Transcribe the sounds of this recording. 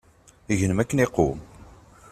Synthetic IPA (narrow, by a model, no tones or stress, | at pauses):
iʝənəmækːəneqːṵm